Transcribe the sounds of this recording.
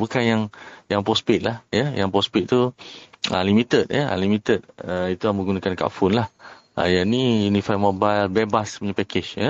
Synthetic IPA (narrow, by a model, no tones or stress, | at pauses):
bukanjaŋjaŋpɔspit̪̚lahjəjaŋpɔspit̪̚t̪u | ə̰limit̪ət̪̚jəa̰limĩt̪ət̪̚əit̪uabəɡunakanka̰ʔfʊnlah | a̰janijunĩfajmobajlbebasə̥pəɲapɛkɪt͡ʃjə